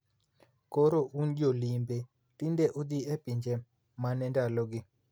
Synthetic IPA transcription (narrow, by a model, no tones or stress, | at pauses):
koɾoʔund͡ʒolimbe | tindeʔud̪iepiɲd͡ʒe | manɛndaloɡɪ